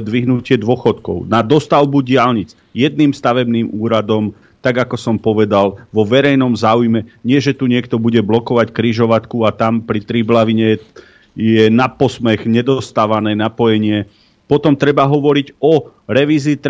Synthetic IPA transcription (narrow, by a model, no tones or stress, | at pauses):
d̪ʋiɦnucɪɛd̪wɔxɔt̪kɔ̰ʊnad̪ɔst̪aʊbuɟɪalɲit͡s | jɛd̪̚niːmst̪aʋɛbniːmuːɾad̪ɔm | t̪aɡakɔsɔmpɔʋɛd̪alʋɔʋɛɾɛjnɔmzaːujmɛɲɪɛʒɛt̪uɲɪɛkt̪ɔbuɟɛblɔkɔʋackɾiʒɔʋat̪kuat̪ampɾit̪ɾiblaʋiɲɛ | jjɛnapɔsmɛɣɲɛd̪ɔst̪aːʋanɛːnapɔjɛɲɪɛ | pɔt̪ɔmt̪ɾɛbaɦɔʋɔɾiɟɔɾɛʋiːziːt̪